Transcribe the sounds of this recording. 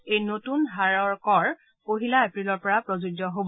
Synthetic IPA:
ejnotunɦaɹɔɹkɔɹ | poɦilaepɹilɔɹpɔɹapɹozuɡɔɦob

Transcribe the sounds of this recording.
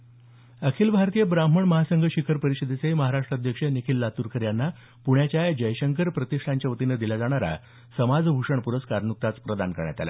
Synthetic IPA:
əkʰiːlbʱaɾt̪ijəbɾam̤əɳməɦasəŋɡʱəɕikʰəɾpəɾiɕəd̪ʱet͡seɦiməɦaɾaʂʈɾad̪ʱjəkʂənikʰilːat̪uɾkʰəɾjanːa | puɳjat͡ɕjajd͡ʑəjɕəŋkəɾpɾət̪iʂʈʰaɲt͡ɕjaʋət̪inəd̪ilad͡zaɽ̃aɾa̰ | səmad͡zbʱuʂəɳpuɾəskaɾnuk̚t̪at͡spɾəd̪ankəɾɳja̰t̪a̰la̰

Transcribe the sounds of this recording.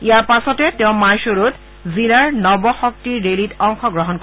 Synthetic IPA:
ijaɹpasɔtɛtɛʊ̃majʃoɹut | zilaɹnɔbɔxɔk̚tiɹɹelitɔŋxɔɡɹɔɦɔnko

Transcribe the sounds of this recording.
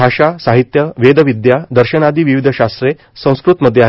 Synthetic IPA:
aɕasaɦit̪jəʋed̪ʱəʋid̪jad̪əɾɕənad̪iːʋiʋid̪ʱəɕast̪ɾe | sə̃w̃skɾut̪məd̪ʱjeaɦ

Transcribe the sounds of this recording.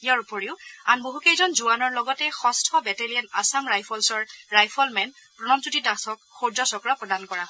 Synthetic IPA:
ijaɹupɔɹiʊanboɦukejzɔnzuanɔɹlɔɡɔtɛxɔstʰɔbɛtelijanasamɹajpʰɔlsɔɹɹajpʰɔlmɛn | pɹɔnɔmsutitasɔkxoɹzɔsɔkɹapɹɔdankɔɹa

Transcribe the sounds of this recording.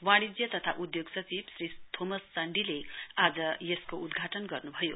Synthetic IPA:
waɽ̃id͡zjʌt̪ʌt̪ʰaʔud̪joɡsʌt͡sibsrit̪ʰomʌst͡sʌɳɖilead͡zʌjeskoud̪ɡʱaʈʌnɡʌrnubʱʌjo

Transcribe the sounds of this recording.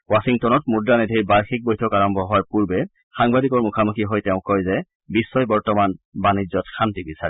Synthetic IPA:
wasiŋtɔnɔtmudɹanedʱiɹbaɹxik̚bɔjtʰɔkaɹɔmbʱɔɦɔwaɹpuɹbɛ | xaŋbadikɔɹmukʰamukʰiɦɔjtɛʊ̃kɔjzɛ | bisːɔjbɔɹtɔmanbanizɔtxantibisaɹɛ

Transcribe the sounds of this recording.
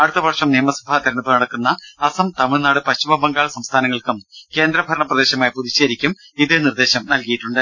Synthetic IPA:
ɐɽut̪ːɐbɐrʂɐmnijɐmɐsu̥bʱaːt̪ɐɾɐnɐpːɨnɐɽɐkːunːɐːsɐmt̪ɐmiɭnaːɽɨpɐɕt͡ɕimɐbɐŋɡaːɭɐsɐmst̪ʰaːnɐŋːɐɭkɨmke̞ːnd̪ɾɐbʱɐɾɐɳɐprɐd̪e̞ːɕɐmaːjpuðit͡ɕːeːɾikʲːum | iðɨnird̪e̞ːɕɐmnɐlkijiʈːuɳɖɨ

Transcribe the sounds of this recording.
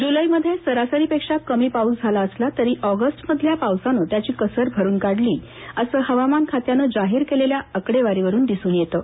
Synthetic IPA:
d͡ʑuləiməd̪ʱjesəɾasəɾiːpekʂakəmiːpauːsd͡zʱalaəslat̪əɾiːʔɔɡəsʈməd̪ʱːjapawsanəːt̪jat͡ɕiːkəsəɾbʱəɾuːnkaɽliː | əsəːɦəʋamankʰat̪janəːd͡zaɦiːɾkeleljaəkɽeʋaɾiʋəɾuːnd̪isuːnjet̪ə

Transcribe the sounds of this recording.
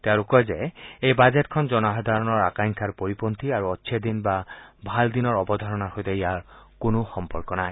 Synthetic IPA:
t̪eaɹukɔjzɛejbazetkʰɔnzɔnɔɦɔd̪ʱaɹɔnɔɹakaŋkʰaɹpoɹipont̪iaɹuɔtːsʰed̪inbabʱald̪inɔɹɔbɔd̪ʱaɹɔnaɹxojt̪ɛiaɹkʊnoxɔmpɔɹkɔnaj

